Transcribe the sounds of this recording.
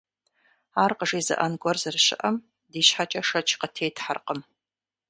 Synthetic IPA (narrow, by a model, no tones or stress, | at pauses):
aːrqəʐiːzɐ̰ʔɐnɡʷɔrzɨrɕɪ̰ʔɐm | diːɕħat͡ʃʼɐʂɐt͡ʃʰqətʰeːtʰħa̰rqəm